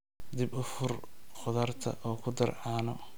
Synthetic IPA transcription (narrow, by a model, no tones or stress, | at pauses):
d̪ɪbʊfʊrqʊðɐrt̪ʰɐ̰ʔɔːkʰʊd̪ɐrʕɑːnɔ